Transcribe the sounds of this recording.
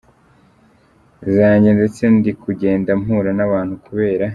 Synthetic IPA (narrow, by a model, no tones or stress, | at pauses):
zaːɲɟende̞t͡se̞ndikuɟe̞ːndam̥huːɾanaβaːnhukuβe̞ːɾa